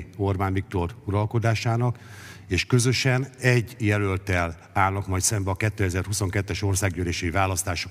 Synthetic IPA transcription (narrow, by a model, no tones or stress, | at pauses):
o̞rbaːnvik̚t̪o̞ruɾɒlko̞d̪aːʃaːnɒk | eːʃkø̞zø̞ʃɛnɛɟːjɛlølt̪ɛl | aːlnɒkmɒjt̪sɛmbɛɒkɛt̪ːøːɛzɛrhuso̞ŋkɛt̪ːɛʃo̞rsaːɡjøleːʃɛivaːlɒst̪aːʃo